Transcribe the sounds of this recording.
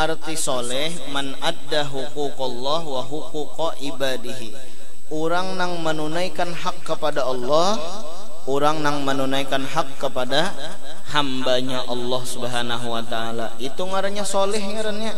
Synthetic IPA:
ʔart̪isɔlɛhmanadːaɦukukɔlːɔhwaɦukuqɔʔibadiɦi | uɾaŋnaŋmənunaikanɦakːəpadaɑlːɔh | uɾaŋnaŋmənunaikanɦakːəpada | hambaɲaʔɑlːɔhsubəɦanaɦuwat̪aalaʔit̪uŋaɾaɲasɔlɛɦŋaɾanɲa

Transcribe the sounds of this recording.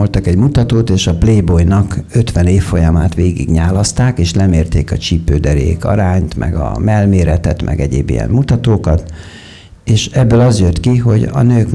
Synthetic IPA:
olt̪ɒkɛɟmut̪ɒt̪oːt̪eːʃɒpleːbojnɒkø̞t̪ʋɛneːfːo̞jɒmaːt̪ʋeːɡḭɡɲaːlɒst̪aːkeːʃlɛmeːrt̪eːkɒt͡ʃipːøːd̪ɛɾḛːkɒ̰ɾaːɲt̪mʔɛ̰ɡɒ̰mɛlmeːɾɛt̪ɛt̪mʔɛ̰ɡɛɟḛːbḭjɛ̰mmut̪ɒt̪oːkɒt̪ | eːʃɛbːøːlɒzjøt̪kiɦo̞ɟɒ̰nøːk

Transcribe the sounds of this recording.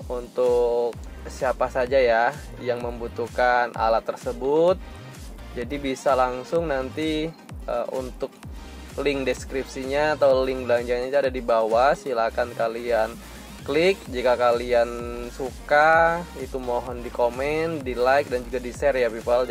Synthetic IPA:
unt̪ʊk̚ | siapasad͡ʒaja | jaŋməmbut̪ukanʔa̰lat̪ːərsəbʊt̪̚ | d͡ʒadibisalaŋsʊŋnant̪i | əʔṵnt̪ʊk̚ | lɪŋdɛskɾip̚siɲaːt̪awlɪŋblaŋd͡ʒaŋɲait̪uadadibawasilakankalian | klɪk̚d͡ʒikakaliansukait̪umoɦɔndikomɛndilaɪk̚dand͡ʒuɡadisɛrjapipal

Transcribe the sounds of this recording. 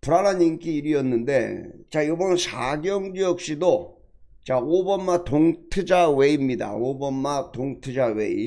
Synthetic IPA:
puɾaɾaɲink͈ʰiːɾiʌnːɯnde̞̰t͡ɕajobʌnnsaɡjʌŋd͡ʑijʌk̚ɕ͈ido | t͡ɕaobamatoŋtʰɯd͡ʑawe̞imɲida̰obamatoŋtʰɯd͡ʑawe̞̰ḭ

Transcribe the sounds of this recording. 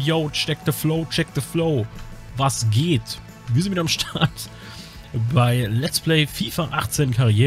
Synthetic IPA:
joʊt͡ʃɛk̚təfloʊt͡ʃɛk̚ðəfloʊ | vasɡeːt | viːɐziviːdɐamʃtʰaɐt | baɪlɛtsplɛɪfiːfaʔaχt͡seːnkʰaʁieː

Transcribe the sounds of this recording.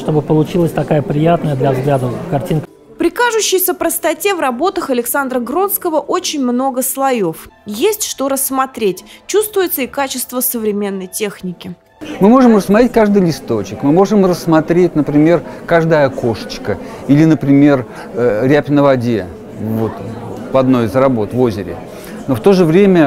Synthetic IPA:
ʂt̪obɨpəlˠʊt͡ɕilˠəsʲt̪ɐkajəpɾʲɪjat̪nəjəd̪lʲɐvzɡlʲad̪əkɐrtʲink | pɾʲɪkaʐʊɕːɪjsʲəpɾəst̪ɐtʲe̞vrɐbo̞t̪əxɐlʲɪksand̪ɾəɡɾo̞nskəvəʔo̞t͡ɕɪnʲmno̞ɡəslˠɐjo̞fjesʲtʲʂt̪o̞ɾəsːmɐt̪ɾʲetʲt͡ɕust̪vʊjɪt̪səikat͡ɕɪst̪vəsəvɾʲɪmʲe̞nːəjtʲe̞xnʲɪkʲɪ | mɨmo̞ʐɨmrəsmɐt̪ɾʲet̚ʲkaʐd̪ɨjlʲɪst̪ot͡ɕɪkmɨmo̞ʐɨmrəsːmɐt̪ɾʲet̚ʲnəpɾʲɪmʲe̞rkaʐd̪əjəko̞ʂə̥t͡ɕkə | ilʲɪnəpɾʲɪmʲe̞r | ɾʲæpʲnəvɐdʲe | vo̞t̪vɐd̪no̞jɪzrɐbo̞t̪vo̞zʲɪɾʲɪ̰ | noft̪o̞ʐɨvɾʲemʲə

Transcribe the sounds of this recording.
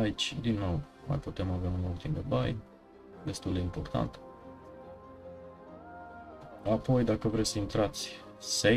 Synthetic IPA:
ait͡ʃʲd̪inːo̞w | ma̰jput̪e̞maveaunult̪imd̪ebaj | d̪e̞st̪uld̪e̞impo̞rt̪a̰nt̪ | apo̞jd̪akəvɾesʲsəint̪ɾat̪sʲ | se

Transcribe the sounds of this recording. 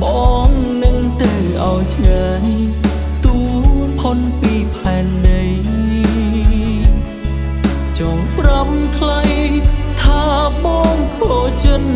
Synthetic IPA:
ɓʔɔːŋ | nɨŋt̪ɨ | ʔaɔjt͡ɕlaːɲ | t̪uː | pʰonpiːpʰaɛnɗəj | t͡ɕɔːŋpramt̪ʰlajt̪ʰaː | ɓɔːŋkʰot͡ɕət̚

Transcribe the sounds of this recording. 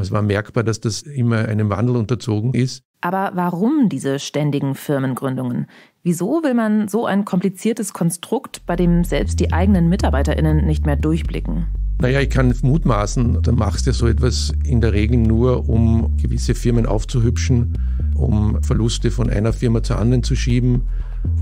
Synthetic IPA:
ɛsv̥aːɐmɛɐkb̥aːɐdasd̥asʔɪmɐʔa̰ɪnəmva̰ndl̩ʊntɐt͡soːɡŋ̩ɪst | ʔaːbɐvaʁʊmdiːzəʃtɛndɪɡŋ̩fɪɐmənɡʁʏndʊŋən | viːzoːvɪlmanzoːʔa̰ɪnkʰɔmplit͡siːɐtəskʰɔnstʁ̥ʊktb̥aɪdeːmzɛlpst̚d̥iːʔaɪɡənənmɪtaɐbaɪtɐʔɪ̰nənːɪçtmeːɐdʊɐçb̥lɪ̰kŋ̩najaːɪçkʰanmuːtmaːsn̩d̥aːma̰χstjazoːɛtv̥as | ɪndeːɐʁ̞eːɡl̩nuːɐʔʊmɡ̥əvɪsəfɪɐmənʔa̰ʊft͡suɦʏpʃn̩ | ʔʊ̰mfɛɐlʊstəfɔnʔa̰ɪnɐfɪɐmat͡suɐʔa̰ndɐʁənt͡suʃiːbm̩

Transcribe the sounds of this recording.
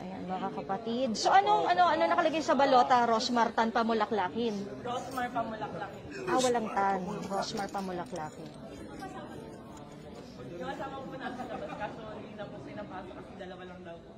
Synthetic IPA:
ʔɐ̰janmɐkakɐpɐt̪id̪̚so̞ʔɐnoŋʔɐno̞ʔɐnonɐkɐlɐɡajsɐbɐlo̞ːt̪ɐɾosmɐɾt̪ɐnpɐmʊlɐklaːkɪnɾosmɐɹpɐmʊlɐk̚lakɪnʔawɐlaŋt̪anɾosmɐɹpɐmʊlɐklaːkɪn | ŋɐsaːmɐ | jʊŋɐsaːmɐŋpʊnasɐd̪ɐbɐt̪kasoninɐpʊsɪnɐmat̪ɐkɐsɪd̪ɐlɐwalɐŋd̪ɐw

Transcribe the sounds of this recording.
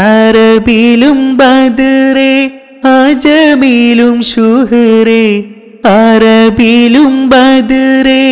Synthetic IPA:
ɐɾɐbilɯmbɐd̪ɯɾe | ad͡ʒɐmilɯmʃuɦɐɾe | ɐɾɐbilɯmbɐd̪ɯɾe

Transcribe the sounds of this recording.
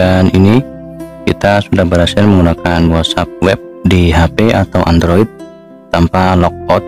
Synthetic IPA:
anini | kit̪asudahbəɾasɪrməŋɡunakanwɔt̪sap̚wɛp̚diɦapeʔat̪awʔandɾoit̪̚ | t̪ampalɔk̚ɔt̪̚

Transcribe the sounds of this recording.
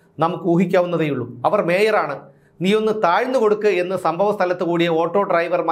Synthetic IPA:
nɐmukːɨuːɦikʲːaːʋunːɐðejuɭːuɐʋɐrme̞ːjɐɾaːɳɨ | niːjo̞nːɨt̪aːɻnːɨko̞ɽukːɨe̞nːɨsɐmbʱɐʋɐst̪ʰɐlɐt̪ːɨkuːɽijɐo̞ːʈːo̞ːɖrɐjʋɐrma

